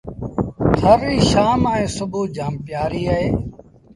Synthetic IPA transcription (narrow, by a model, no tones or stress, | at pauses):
t̪ʰəɾːiːʃaːmaːẽːsʊbʱuːd͡ʒaːmpjaːɾiːaːɦeː